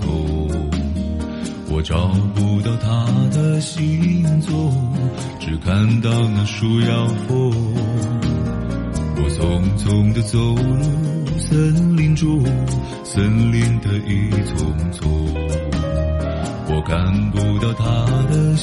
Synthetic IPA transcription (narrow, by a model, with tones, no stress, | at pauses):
ɔ˧ | wɔ˨˩ʈ͡ʂɑ˨˩pu˧t̪ɑ˥˩ʊt̪ʰa˦˥d̪ə˧ɕi˧˥ŋt͡swɔ˥˩ | ʈ͡ʂɻ̩˨˩kʰa˥˧nt̪ɑ˥˧ʊna˧ʂu˧jɑ˧ʊxɔ˥ | wɔ˨˩t͡sʰʊ˧˩ŋt͡sʰʊ˧ŋd̪ə˧t͡so˨˧lu˥˧sə˦˥nli˧˥nʈ͡ʂu˥ | sə˦nli˧nd̪ə˧ʔi˧t͡sʰʊ˧˩ŋt͡sʰɔ˧˩ | wɔ˨˩ka˧˥npu˧t̪ɑ˥˩ʊt̪ʰa˦˥d̪ə˧